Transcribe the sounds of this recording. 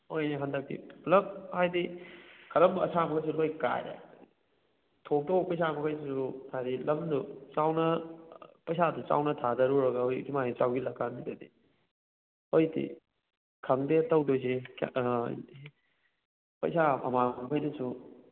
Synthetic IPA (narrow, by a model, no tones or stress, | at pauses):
ojneɦɐndɐk̚tḭplɐm̚hajdikʰɐɾɐmbɐɐ̰samɐkʰajs̬ulojka̰jɾḛ | tʰok̚towpɐjs̬amɐkʰajssutʰaɾilɐmdut͡ʃawnɐ | pɐjsadut͡ʃa̰wnɐtʰadɐɾuɾɐɡɐojk̚dimajit͡ʃawɡilɐkːanidɐdḭ | ojdḭ | kʰɐŋdetɐwdojs̬ek | pɐ̰jsamɐ̰mabajdusu